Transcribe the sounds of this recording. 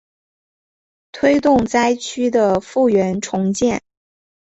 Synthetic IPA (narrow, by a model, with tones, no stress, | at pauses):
t̪ʰwe˥ɪt̪ʊ˥˩ŋt͡sa˥ɪt͡ɕʰy˥d̪ə˨fu˥˩ɥɛ˧˥nʈ͡ʂʰʊ˧˥ŋt͡ɕjɛ˥˩n